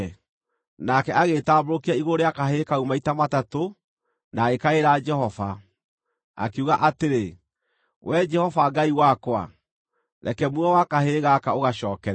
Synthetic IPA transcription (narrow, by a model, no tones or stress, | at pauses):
nakɛʔaɣeːtaːboɾokiaiɣoɾeakaɦekaumaitamatato | naɣekaeɾaːd͡ʒɛhɔva | a̰keuɣaʔateɾe | wʔɛd͡ʒɛhɔvaɡaiwakwa̰ | ɾʔɛ̰kɛmwuɔwakaɦeɣakaoɣaɕɔːkɛɾ